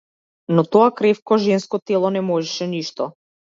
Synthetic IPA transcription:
nɔt̪ɔakɾɛfkɔʒɛnskɔt̪ɛlˠɔnɛmɔʒɛʃɛniʃt̪ɔ

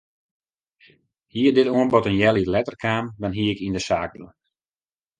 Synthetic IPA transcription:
hiədɪtoənbɔtənjɛlˠilɛtərkʰaːmʋanɦiɪkindəsaːk̚dəl̩

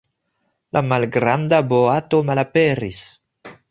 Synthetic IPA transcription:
lʔamalɡɾandaboato̞malapeɾis

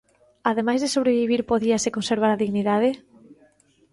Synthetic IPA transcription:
aðemajzðesoβ̞ɾeβiβ̞iɾpoðiasekonseɾβaɾaðiɣniðaðe

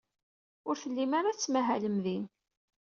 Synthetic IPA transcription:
ʊɾθəlːimaɾat͡sːmæɦæləmðin

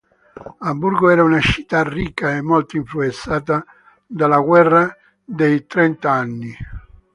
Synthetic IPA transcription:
ambuɾɡoɛːɾaunat͡ʃi̥t̪ːarːikːaemːɔlt̪oiɱfluɛnt̪saːt̪a | d̪alaɡwɛrːa | d̪ejt̪ɾɛnt̪aanːi

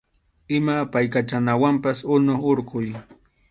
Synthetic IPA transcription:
ɪmapajkat͡ʃanawampasʊnʊχoɾqʊj

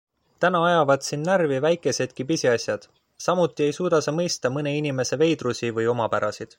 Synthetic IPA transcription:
t̪ænɑɑjɑvɑd̪sinːærvivæjkˑe̞se̞d̪̥̚kipisʲiɑsʲjɑd̪̥ | sɑmut̪ːˑie̞jsuːd̪̥ɑsemɤ̞jst̪ɑmɤne̞inime̞se̞ve̞jd̪rusivɤjo̞mɑpæɾɑsid̪̥

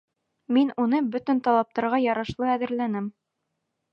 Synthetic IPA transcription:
minunɤbɵt̪ɘ̆nt̪ɑlˠɑp̚t̪ɑɾʁɑjɑɾɑʃlˠɤæðɘ̆ɾlænɘm

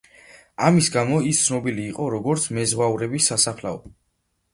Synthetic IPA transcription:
amisɡamɔist̪sʰnɔbiliːqʼɔɾɔɡɔɾt̪sʰmɛzʁwauɾɛbisːasaχlaɔ̰

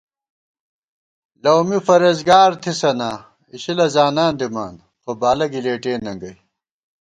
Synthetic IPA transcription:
lɐwmifɐɾɐzɡaːɾt̪ʰisɐnaː | iɕilɐzaːnaːnd̪ima̰ːn | xobaːlɐɡileːʈeːnːɐŋɡɐj

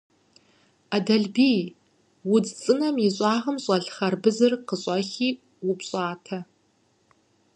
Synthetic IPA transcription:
adɐɮbiːj | wʊd͡zt͡sʼɨnɐmiɕʼɑːʁɐmɕʼɐɮχɐrbɨzɨrqəɕʼɐxiː | wʊpɕʼaːtʰɐ

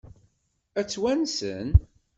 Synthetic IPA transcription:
æt͡sːwænsə̰n

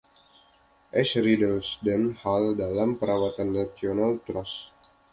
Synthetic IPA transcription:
ʔɛsɾidəlsdɛnhaldalampəɾawat̪anːat̪ionalt̪ɾɔs

